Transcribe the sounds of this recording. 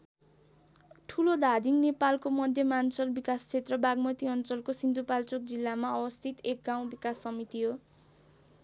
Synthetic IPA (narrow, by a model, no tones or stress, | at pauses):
ʈʰulod̪ʱad̪ʱiŋnepalkomʌd̪ʱjʌmant͡sʌlbikast͡sʰet̪rʌbaɡmʌt̪iʌnt͡sʌlkosind̪ʱupalt͡sok̚d͡zilːamaʌbʌst̪ʰit̪ek̚ɡaw̃bikasːʌmit̪iɦo